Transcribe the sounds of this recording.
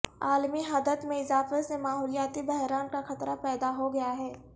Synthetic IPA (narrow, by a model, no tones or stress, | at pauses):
aːlmiɦɐd̪ət̪mẽɪzaːfesemaːɦuːlijaːt̪ibɛɦɾaːnkaxɐt̪ɾapɛːd̪aɦoɡɐjaɦɛː